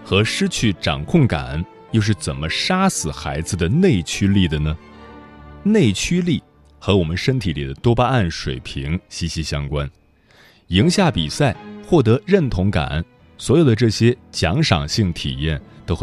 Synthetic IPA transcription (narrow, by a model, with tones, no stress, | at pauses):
xɤ˧˥ʂɻ̩˥t͡ɕʰy˥˩ʈ͡ʂɑ˨˩ŋkʰʊ˥˩ŋka̰˨˩˦n | jo˥˧ʊʂ̬ɻ̩˥˩t͡sə˨˩nmə˦ʂa˥sɹ̩˨˩xa˧˥ɪd͡zɹ̩˧d̪ə˩ne˥˩ɪt͡ɕʰy˥li˥˩d̪ə˩nə˩ | ne˥˩ɪt͡ɕʰy˥li˥˩ | xɤ˧˥wɔ˨˩mə˦nʂə˥ŋt̪ʰi˧˥li˨˩d̪ə˦t̪wɔ˥pa˥a˥˩nʂwe˨˩ɪpʰi˧˥ŋɕi˧˥ɕi˧˥ɕjɑ˥ŋkwa˥n | i˧˥ŋɕja˥˩pi˨˩sa˥˩ɪxwɔ˥˩t̪ɤ˧˥ɻə˥˩nt̪ʰʊ˧˥ŋka̰˨˩˦n | swɔ˧˥jo˨˩ʊd̪ə˦ʈ͡ʂɤ˥˩ɕjɛ˥t͡ɕjɑ˧˥ŋʂɑ̰˨˩ŋɕi˥˩ŋt̪ʰḭ˨˩jɛ˥˩nt̪o˥ʊ